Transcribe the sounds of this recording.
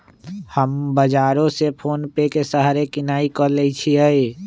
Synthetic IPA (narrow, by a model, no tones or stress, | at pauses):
həmbəd͡ʒaːɾõsepʰoːnpekesəɦaɾekɪnaːikɔleit͡ʃʰiɦəi